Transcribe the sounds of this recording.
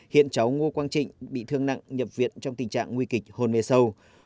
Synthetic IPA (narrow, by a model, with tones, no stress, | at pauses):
hḭ˧˨ənt͡ɕa˨˦wŋo˧kwaː˧nt͡ɕḭ̈˧˨ŋ̟ɓḭ˧˨t̪ʰɨ˧əŋna̰˧˨ŋɲə˨˩p̚vḭ˧˨ənt͡ɕɔ˧wŋ͡mt̪ï˨˩ŋ̟t͡ɕa̰ː˧˨ŋːwi˧kï˨˩k̚ho˨˩nme˧˩sə˧w